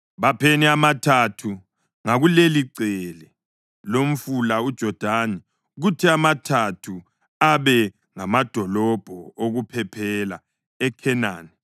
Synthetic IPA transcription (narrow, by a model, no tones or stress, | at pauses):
βapʰeniamatʰatʰu | ŋaɣuleliǀɛlɛ | lom̩fulaud̥ʒ̥ʱɔd̥ʱanɛ | ɣutʰiamatʰatʰu | aβɛ | ŋamad̥ʱɔlɔb̥ʱɔoɣupʰɛpʰɛla̰ | ɛkʰɛna̰ːnɛ